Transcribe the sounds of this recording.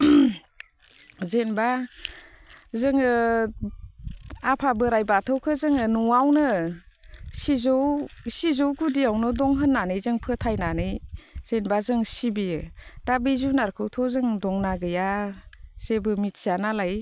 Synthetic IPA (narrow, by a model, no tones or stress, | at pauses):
zenba | zɯŋ | apʰabɯɾajbatʰɯwkʰɯzɯŋɯnuwawnɯ | sizɔwsizɔwɡudiawnɯdɔŋɦɯnːanɯjzɯŋpʰɯtʰajnanɯjz̥enbazɯŋsibiɯd̥abizunaɾkʰɯwtʰɔzɯŋdɔŋnaɡɯja | z̥ebɯmit̚sanalaj